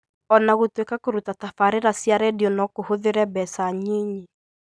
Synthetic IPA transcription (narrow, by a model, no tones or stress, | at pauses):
ɔnaɣotwekakoɾutatafaɾeɾasjaɾɛdiɔnɔkohoðeɾɛbɛsaɲiɲi